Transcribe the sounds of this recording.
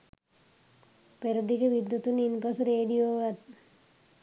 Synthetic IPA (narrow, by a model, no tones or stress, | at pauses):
peɾɐd̪ikeʋid̪ːut̪uninpɐsuɾeːɖijoːʋɐt̪